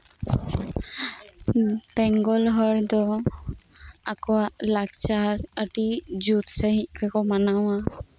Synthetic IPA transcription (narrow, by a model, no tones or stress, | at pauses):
bɛŋɡɔlɦɔɾd̪ɔ | akɔalakt͡ʃaɾəʈid͡ʒut̪səɦikʰɔkɔmanaw̃a